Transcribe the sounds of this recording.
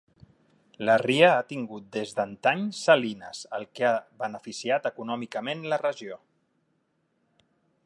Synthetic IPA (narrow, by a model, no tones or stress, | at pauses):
ləriəat̪iŋɡut̪̚d̪ezðənt̪aɲsəlinəzəlˠkeaβənəfisiat̪əkunɔmikəmenlərəʒio